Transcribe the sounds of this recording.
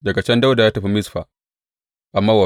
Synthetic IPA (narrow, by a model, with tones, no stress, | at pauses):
dɐ˨ka˨t͡ʃɛ˦nda˦wda˨jaː˦tɐ˨ɸi˦mɪ˦sɸa˨ | ʔa˨mːaː˦wa˨